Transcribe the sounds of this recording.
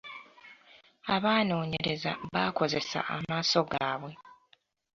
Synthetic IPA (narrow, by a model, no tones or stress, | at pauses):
aβaːno̞ːɲe̞ɾe̞zaβaːko̞ze̞sa̰ʔamaːso̞ɡaːβwe̞